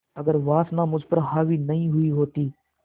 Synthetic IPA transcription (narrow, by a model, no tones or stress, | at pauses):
əɡəɾʋaːsnãːmʊd͡ʒʱpəɾɦaːʋiːnəɦĩːɦʊiːɦoːt̪iː